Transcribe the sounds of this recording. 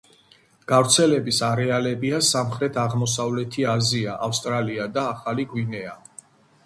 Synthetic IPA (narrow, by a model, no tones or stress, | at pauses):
ɡ̥avɾt̪sʰɛlɛbisaɾɛalɛbiasamχɾɛt̪ʰaʁmɔsavlɛt̪ʰiaziaʔafst̪ʼɾaliad̪aːχaliɡwinɛa